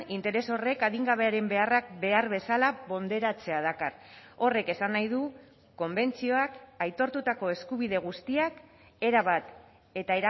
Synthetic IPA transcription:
int̪e̞ɾe̞so̞re̞kaðiŋɡaβe̞aɾe̞mbe̞arak̚be̞aɾβe̞salaβo̞nd̪e̞ɾat͡se̞að̞akaro̞re̞ke̞sanːajðu | ko̞mbe̞nt͡sio̞akajt̪o̞ɾt̪ut̪ako̞e̞skuβ̞ið̞e̞ɣust̪iak | e̞ɾaβ̞at̪ | e̞t̪ae̞ɾa

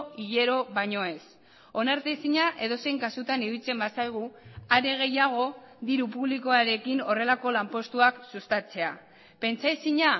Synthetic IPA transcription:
iʎe̞ɾo̞βaɲo̞e̞s | o̞naɾt̪esiɲaʔe̞ðo̞se̞jŋkasut̪aniðilt͡se̞mbasajɣ̞uaɾe̞ɣ̞e̞jaɣ̞o̞ | ðiɾupuβliko̞aɾe̞kino̞re̞lako̞lampo̞st̪uaksust̪at͡se̞a | pe̞nt͡sajsiɲa

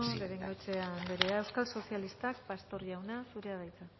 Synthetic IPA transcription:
βeɾeŋɡoet͡ʃeand̪eɾeaewskalso̞sijalist̪akpast̪o̞ɾʝawnasuɾe̞aðajt͡sa

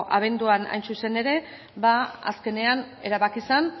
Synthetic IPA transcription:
ʔaβ̞e̞nd̪uana̰jnsuse̞ne̞ɾe̞ | baa̰ske̞ne̞ane̞ɾaβakisan

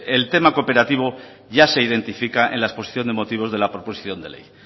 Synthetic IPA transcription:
e̞lt̪e̞mako̞pe̞ɾat̪iβ̞o̞ | ʝase̞iðe̞nt̪ifikaʔḛnlaespo̞si̥θjo̞nd̪e̞mo̞t̪iβ̞o̞zðe̞lapɾo̞posi̥θjo̞nd̪e̞le̞̰j

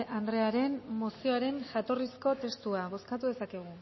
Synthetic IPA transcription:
and̪ɾe̞aɾe̞mmosio̞aɾe̞nʝat̪o̞risko̞t̪e̞st̪uaβo̞skat̪uðe̞sake̞ɣ̞u

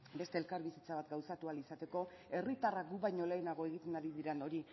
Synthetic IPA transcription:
be̞st̪e̞ːlkaɾβisit͡saβat̪ɡawsat̪ualisat̪e̞ko̞ | e̞rit̪araɡuβajɲo̞le̞ːnaɣ̞o̞e̞ɣ̞it̪e̞naɾiðiɾeno̞ɾi

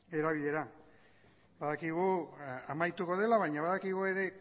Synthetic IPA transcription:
e̞ɾaβ̞iðe̞ɾa | baðakiɣuamajt̪uko̞ð̞e̞laβajɲaβaðakiɣue̞ɾe̞

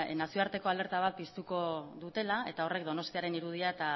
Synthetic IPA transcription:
nasioaɾt̪e̞ko̞ale̞ɾt̪aβ̞at̪̚pist̪uko̞ðut̪e̞lae̞t̪ao̞re̞kd̪o̞no̞st̪iaɾe̞niɾuð̞iaet̪a

